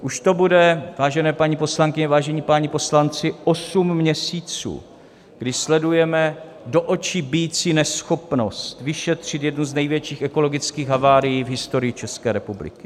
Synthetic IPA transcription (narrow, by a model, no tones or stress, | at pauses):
ʔuʃt̪o̞budɛvaːʒɛnɛːpaɲipo̞slaŋkɪɲɛvaːʒɛɲiːpaɲɪpo̞slant͡sɪʔosummːɲɛsiːt͡sṵː | ɡ̥dɪʃslɛdujɛmɛ | do̞ʔo̞t͡ʃɪbɪjit͡siːnɛsxo̞pno̞st̪vɪʃɛt̪r̝̥ɪt̪jɛdnuznɛjvjɛt͡ʃiːxɛko̞lo̞ɡɪt͡skiːxɦavaːɾɪjiːvɦɪst̪o̞ɾɪjɪt͡ʃɛskɛːɾɛpublɪ̰kɪ̥